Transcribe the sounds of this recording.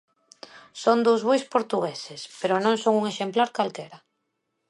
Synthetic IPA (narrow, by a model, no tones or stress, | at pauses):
sond̪owzβojspoɾt̪uɣesespeɾonõŋsoŋuŋeʃemplaɾkalkeɾa